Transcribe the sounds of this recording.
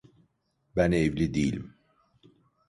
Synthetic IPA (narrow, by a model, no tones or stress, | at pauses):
bænevlid̪iːlḭm